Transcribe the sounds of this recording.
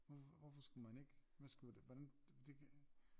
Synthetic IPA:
ʋɔfʋɔfɒsɡ̥umæne̝ɡ̥ʋæsɡ̥udʋɒd̥æn | d̥ekʰ

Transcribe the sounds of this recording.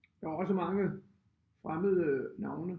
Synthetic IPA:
d̥ɑɒ̽səmɑ̈ŋə | fʁaməð̩ˠənɑ̈ʊnə

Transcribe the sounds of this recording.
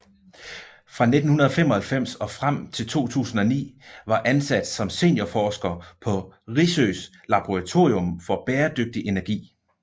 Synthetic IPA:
fʁɑ̈ne̝d̥n̩hunɐðˠɒfemɒ̽hælfem̰sɒ̽fʁam̰t͡sʰe̝lt͡sʰo̝̰ːt͡sʰṵːsn̩ɒ̽nḭːʋɑ̈ʔænsæd̥sɒ̽mse̝njɐfɒːsɡ̥ɐpʰɒ̽ʁisøs | lɑ̈b̥o̝ʁɑ̈t͡sʰo̝̰ːʁiɔ̽mfɒ̽b̥eːɐd̥øɡ̥̚d̥iʔe̝næɐɡ̥ḭː

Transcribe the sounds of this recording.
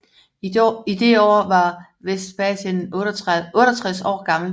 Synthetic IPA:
id̥e̝ɒːʋɑ̈ | ʋesd̥b̥ɛsen | ɔ̽ːɾ̥ɐt͡sʰʁɛsɒ̰ːɡ̥ɑ̈ml̩

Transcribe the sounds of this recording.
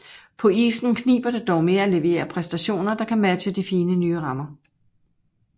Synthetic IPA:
pʰɒ̽ḭːsn̩kʰnḭːb̥ɐd̥e̝d̥ɒʊme̝ːɐæle̝ʋe̝̰ːɐpʰʁɛsd̥æɕo̝̰ːnɐd̥ɑ̈kʰæmæɕəd̥ifiːnənyːəʁɑ̈mɐ

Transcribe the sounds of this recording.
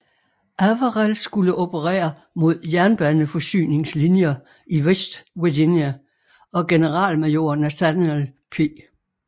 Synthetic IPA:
ʔæʋəʁælsɡ̥uləʔopʰəʁɛ̰ːɐ | mo̝ð̞̰ˠjæɐnb̥ænnəfɒ̽sy̰ːne̝ŋslinjɐ | iʋesd̥ʋuɐɡenjæ | ɒ̽ɡ̥e̝nəʁɑ̰̈ːlmejo̝̰ɐnæsænelpʰeː

